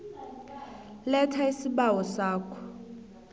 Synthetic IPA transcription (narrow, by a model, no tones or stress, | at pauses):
lɛtʰaisiɓawɔsaːkʰɔ̥